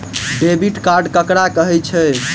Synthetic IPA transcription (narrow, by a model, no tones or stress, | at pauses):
ɖebiʈkaɾɖkəkɾakəɦɛt͡ʃʰɛ